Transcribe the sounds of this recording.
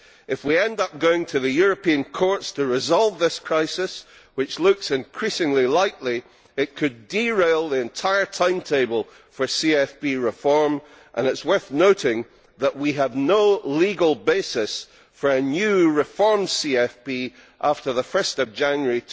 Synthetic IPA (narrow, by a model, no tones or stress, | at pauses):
ʔɨfwiɛ̃ndʌp̚ɡ̥oɪ̃ŋtʰɨðɨjʊɹɨpʰĩə̃nkʰɔɹtstʰəɹɪzɔlˠvðɪskʰɹ̥aɪsɪs | wɨt͡ʃlˠʉksɪ̃nkʰɹ̥isɪ̃ŋlilˠaɪʔlˠi | ɪʔ̚kʰɨddiɹeɪlˠðiɨ̃ntʰaɪə˞tʰãɪ̃mtʰeɪbəlˠ | fə˞siɛfpiɹɪfɔɹm | ʔə̰̃nɨtswɜ˞θnoʔɪ̃ŋ | ðəʔwiəvnolˠiɡəl̩ˠbesɪs | fə˞ɨnjʉɹɪfɔɹmsiɛfpi | ʔaftə˞ðəfɜ˞stʌvd͡ʒãnjə˞i